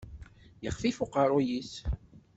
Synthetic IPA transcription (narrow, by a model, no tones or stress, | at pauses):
jəχfifʊqɑɾˤʊjis